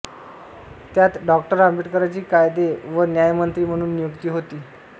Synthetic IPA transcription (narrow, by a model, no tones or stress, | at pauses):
t̪jat̪ɖɔkʈəɾambiʈkəɾajt͡ɕiːkajd̪eʋənjajmənt̪ɾiːm̤əɽ̃uːnːijukt̪iːɦot̪iː